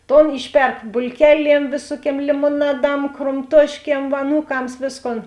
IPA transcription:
ˈtoːn ˈɪʃʲˌpʲɛrk bʊlʲˈkʲæːˌlʲiɛm ˈʋʲeːsuɔˌkʲiɛm lʲɪmoːˈnɑːˌdɐm kroːmˈtuɔʃʲˌkʲiɛm ɐˈnuːˌkɐms ˈʋʲeːsˌkoːn

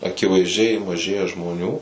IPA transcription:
ɐkʲɪʋɐɪzʲˈd͡ʒʲɛɪ mɐˈʒʲeːjɛ ʒmoːˈnʲuː

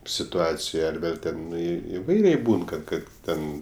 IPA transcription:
sʲɪtʊˈɑːt͡sʲɪjoːj ɐr ˈʋʲeːlʲ tʲɛˈnɐɪ ɪˈʋɐɪrʲɛɪ ˈbuːn ˈkɐt ˈtʲɛn

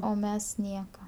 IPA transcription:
oː ˈmʲɛs ˈnʲiɛkɐ

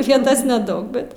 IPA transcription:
ˈʋʲiɛtɐs nʲɛˈdɐʊk ˈbʲɛt

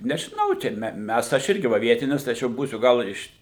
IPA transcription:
nʲɛʒʲɪˈnɐʊ ˈt͡ʃʲɛ mʲɛ ˈmʲɛs tɐɪ ɐʃ ˈɪrʲɡʲɪ ˈʋɐ ˈʋʲiɛtʲɪnʲɪs tɐɪ ˈɐʃ jɛʊ ˈbuːsʲʊ ˈɡɐlˠ ɪr ɪʃ

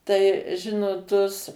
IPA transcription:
ˈtɐɪ ˈʒʲɪnoːt tʊs

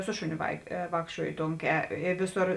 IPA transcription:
ˈsʊ ʃʊˌnʲoː ʋɐɪ ˈʋɑːkʃʲt͡ʃʲuɔjoː ˈtoːŋʲˌkʲɛː ɪ ˈʋʲɪˌsoːr

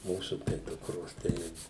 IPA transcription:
ˈmuːsʊ tɐɪ ˈdʊkroːs ˈtɐɪ

